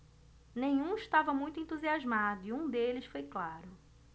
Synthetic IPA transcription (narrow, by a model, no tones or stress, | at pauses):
nẽj̃ũiʃt̪avɐmũj̃t̪ʊẽnt̪uziazmad̪ʊiũd̪elɪsfojklaɾʊ